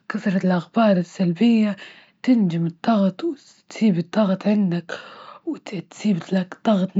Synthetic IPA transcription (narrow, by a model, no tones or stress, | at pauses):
kaθɾˤɑlʔaxbɑːɾˤɪsːalbɪjːa | t̪ɪnd͡ʒɪmɨd̪ˤːɑɣt̪ˤw | t̪siːbɨd̪ˤːɑɣt̪ˤʕɪnd̪akwt̪t̪siːbakd̪ˤːɑɣt̪